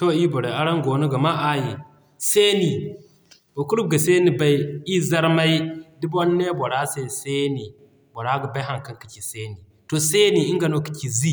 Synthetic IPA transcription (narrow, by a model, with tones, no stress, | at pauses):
to˦i˦bo˨ɾe˨a˦ɾa˦ŋɡo˨nu˦ɡa˨ma˦ʔa˨ji˨ | se˦ni˨ | bo˨ku˦ɾu˦b̚ɡa˨se˦ni˨ba˦i˦i˦za˦ɾma˦i˦di˦bo˦nːe˦bo˨ɾa˦se˦˨se˦ni˨ | bo˨ɾa˦ɡi˨ba˦ɦa˦ŋka˨˦ŋki˨ki˨se˦ni˨ | to˨se˦ni˨i˦ŋɡa˨no˦ki̥˨ki˨zi˦